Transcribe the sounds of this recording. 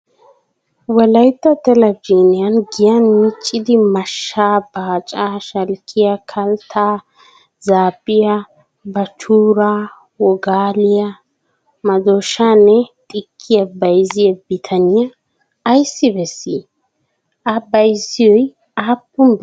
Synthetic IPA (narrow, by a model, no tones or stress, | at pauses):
wɐlɐjt̪ːɐt̪ɛlɐd͡ʒiːnɪjɐnɡɪjɐnmɪt͡ʃʼːɪd̪ɪmɐʃːaːb̥aːt͡ʃʼaːʃɐlkʰɪjɐkʰɐlt̪ʰaː | zaːbʼɪjɐ | bɐt͡ʃuːɾaː | wɔɡaːlɪjɐ | mɐd̪oːʃaːnːɛt̪ʼɪkʰːɪjɐbɐjzɪjɛbɪt̪ʰɐnɪjɐː | jsːɪbɛsːi | ɐbɐjzɪjɔj | aːpːʊm